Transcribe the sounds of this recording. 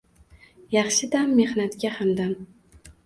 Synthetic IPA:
jɑχʃɪd̪amːe̞hnat̪kʲahamd̪am

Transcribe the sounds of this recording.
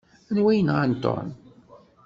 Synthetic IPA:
ænwæjənʁant̪ːo̰n

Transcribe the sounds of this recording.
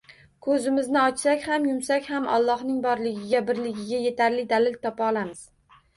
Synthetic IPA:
kʰɵzɪmɪznɪɒt͡ʃsakʲhamjʊmsakʲhamʔɒ̰lˠːɒhnɪŋbɒɾlɪɡʲɪɡʲabɪɾlɪɡʲɪɡʲaje̞t̪ʰaɾlɪd̪aɾlɪlt̪ʰɒpaɒlˠamɪz̥

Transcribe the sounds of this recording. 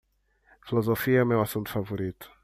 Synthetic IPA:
filozofiɐɛmewasũnt̪u̥favoɾit̪ʊ̥

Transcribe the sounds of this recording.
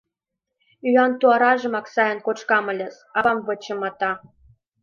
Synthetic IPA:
yɑnt̪uɑɾɑʒɤ̆mɑksɑjɤ̆nkot͡ɕkɑmə̆lʲə̆s | ɑɑmvɤ̆t͡ɕɤ̆mɑt̪ɑ

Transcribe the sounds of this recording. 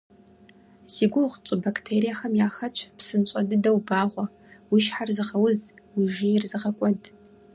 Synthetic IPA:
z̥iːɡʷʊʁt͡ʃʼɨbakʰʼtʰeːɾijaxɐmjaːxɐt͡ʃʷʰpsɨnt͡ʃʼɐdɨdɐwbaːʁʷɔ | wiʃħarzɨʁɐwʊz | wiʒɪjɪrzɨʁɐkʷʼɔd

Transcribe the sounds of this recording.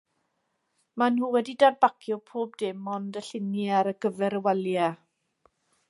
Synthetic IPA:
manhuːwɛdidadbakʰjʊpʰoːb̚dɪmɔndəɬɪnjiaɾəɡ̥əvɛɾəwɛlja

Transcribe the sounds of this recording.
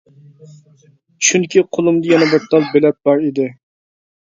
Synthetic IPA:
t͡ʃʃʰynkʲiqʰolˠumd̪ɨjɛnɛbɨɾt̪ʰɑlˠbelɛt̪̚bɑɾid̪ɪ

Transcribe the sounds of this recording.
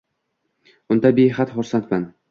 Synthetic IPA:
ʊnd̪abejɦat̪χʊɾsant̪man

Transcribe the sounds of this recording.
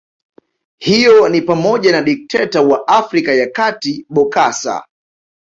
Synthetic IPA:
hijɔnipamɔʄanaɗik̚tʰɛtawaʔafɾikajakatiɓɔkasa̰

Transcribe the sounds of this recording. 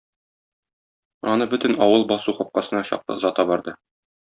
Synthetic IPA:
ɒnɤbɵt̪ɘnɒwɤlˠbɒsuχɒp̚qɑsɤ̆nɑɕɒ̰q̚t̪ˠɤ̰zɒt̪ɑbɒɾd̪ɤ

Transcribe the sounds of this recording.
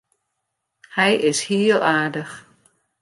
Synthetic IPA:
hɛjɪshiːəlˠʔaːɹdəx

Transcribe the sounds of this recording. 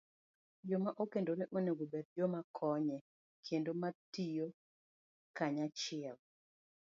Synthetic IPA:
d͡ʒomaʔokendoɾeʔoneɡobɛdd͡ʒomakʰɔɲɛ | kʰendomatijo | kaɲat͡ʃɪɛl

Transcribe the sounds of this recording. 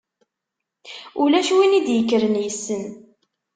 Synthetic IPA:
ulæʃwinid̪jəkːɾənjəsːən

